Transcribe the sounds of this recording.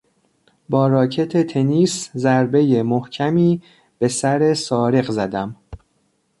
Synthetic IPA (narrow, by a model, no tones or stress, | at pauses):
bɒːɾɒːcʰe̞t̪ʰet̪ʰe̞niːszæɾbe̞je̞mohcʰæmiː | b̥e̞sæɾe̞sɒːɾe̞ɣzæd̪æm